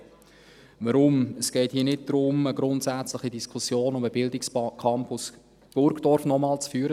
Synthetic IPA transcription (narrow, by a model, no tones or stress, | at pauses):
vəɾʊməsɡ̥ɛɪthiːnɪt̚d̥ɾʊməɡɾʊntsæt͡slɪχidiskʰusjoːnʊməbɪldɪkskʰɑmpʊs | b̥ʊɾɡd̥ɔɾfnɔmɑːlt͡sfyːɾə